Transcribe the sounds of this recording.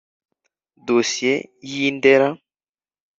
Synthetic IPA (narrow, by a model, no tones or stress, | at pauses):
dosjejindɛɾa